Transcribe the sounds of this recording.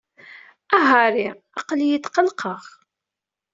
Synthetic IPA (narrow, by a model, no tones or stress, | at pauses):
æɦɑɾi | ɑ̰qljət̪ːqəlqəʁ